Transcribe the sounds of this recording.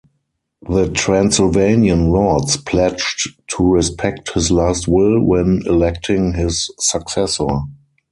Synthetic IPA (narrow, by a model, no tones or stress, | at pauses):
ðətʰɹæ̃nsɪlvẽɪ̃niə̃nlɔdspʰlɛt͡ʃttʰːuɹispʰɛk̚thɪslaːstwɪlwɛ̃nɛlɛk̚tʰɪ̃ŋhɪsːəksɛsə˞